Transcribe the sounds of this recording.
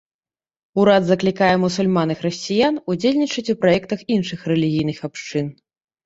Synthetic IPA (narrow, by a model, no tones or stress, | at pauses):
uɾad̪zɐklʲikajɛmusulʲmanɨxrɐsʲt͡sʲijanud͡zʲelʲnʲit͡ʂɐt͡sʲupɾajɛkt̪ɐxinʂɨxrɛlʲiɣʲijnɨxapʂt͡ʂɨn